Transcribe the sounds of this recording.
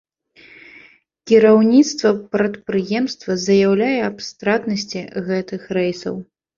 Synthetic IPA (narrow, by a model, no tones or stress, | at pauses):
kʲiɾawnʲit̪st̪vɐpɾɐt̪̚pɾɨjɛmst̪vɐzɐjawlʲajɛapst̪ɾat̪nɐsʲt͡sʲiɣɛt̪ɨxrɛjsɐ̰w